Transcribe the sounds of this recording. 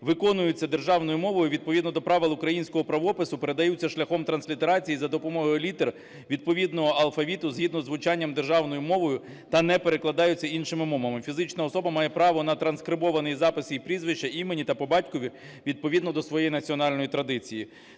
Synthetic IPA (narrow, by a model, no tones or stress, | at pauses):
ʋɪkɔnʊjʊt͡sʲːɐd̪e̞rʒɑwnɔjʊmɔʋɔjʊʋʲid̪̚pɔʋʲid̪nɔd̪ɔpɾɑʋɪlˠʊkɾɐjinʲsʲkɔɦɔpɾɐʋɔpɪsʊpe̞ɾe̞d̪ɐjut͡sʲːɐʃlʲɐxɔmt̪ɾɐnsʲlʲit̪eɾɑt͡sʲijizɐd̪ɔpɔmɔɦɔjɔlʲit̪er | ʋʲid̪pɔʋʲid̪nɔɦɔɐlˠfɐʋʲit̪ʊzɦid̪nɔzʋʊt͡ʃɑnʲːɐmd̪erʒɑwnɔjʊmɔʋɔjʊ | t̪ɐnɛpeɾeklˠɐd̪ɑjʊt͡sʲːɐinʃɪmɪmɔmɐmɪfʲizɪt͡ʃnɐɔsɔbɐmɑjɛpɾɑʋɔnɐt̪ɾɐnskɾɪbɔʋɐnɪjizɑpɪsipɾʲizʋɪt͡ʃɐimenʲit̪ɐpɔbɑtʲkɔʋʲi | ʋʲid̪̚pɔʋʲid̪nɔd̪ɔsʋɔjejinɐt͡sʲiɔnɑlʲnɔjit̪ɾɐd̪ɪt͡sʲiji